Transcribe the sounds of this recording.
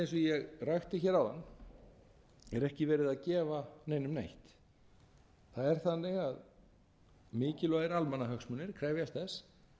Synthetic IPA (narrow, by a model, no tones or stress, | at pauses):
ẽjnsvijɛɣrajxt̪ɪçɛːɾawðanː | ɛɾɛhcɪvɛːɾɪðaðcɛːvaneːjnʏmnejht̪ | θaðɛɾ̥θanːɛɣað | mɪːcɪlɔðɪɾalmanaɦœxsmʏnːɪɾ̥kʰɾaːjvjast̪θɛs